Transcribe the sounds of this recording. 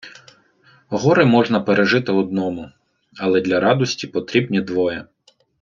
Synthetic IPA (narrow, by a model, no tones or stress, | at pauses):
ɦɔɾɪmɔʒnɐpeɾʔeʒɪt̪ɪɔd̪nɔmʊ | ɐlˠɛd̪lʲɐɾɑd̪ɔsʲtʲipɔt̪ɾʲibnʲid̪ʋɔjɛ